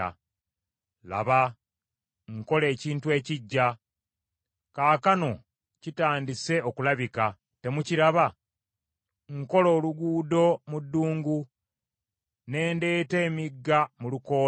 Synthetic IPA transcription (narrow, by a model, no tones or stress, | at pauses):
a̰ | la̰βa | ŋko̞le̞ːciːntue̞ːciɟːa | kaːkano̞ | citaːndise̞o̞kulaβika | te̞muciɾaβa | ŋko̞lo̞ːluɡuːdo̞mudːuːŋɡu | ne̞ːnde̞ːte̞ːmiɡːamuluko̞ː